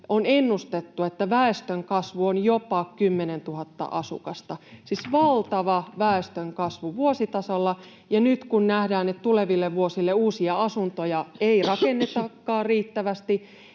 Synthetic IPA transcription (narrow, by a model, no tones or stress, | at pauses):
onenːust̪et̪ːuet̪ːæʋæest̪øŋkɑsʋuonjopɑkymːenent̪uhɑt̪ːɑ̰ʔɑsṵkɑst̪ɑsisʋɑlt̪ɑʋɑʋæest̪øŋkɑsʋuʋuosit̪ɑsolːɑ | jɑnyt̪kunnæhdæːnet̪t̪uleʋilːeʋʋuosilːeuːsiɑɑsunt̪ojɑeirɑkenːet̪ɑkːɑːrriːt̪ːæʋæst̪i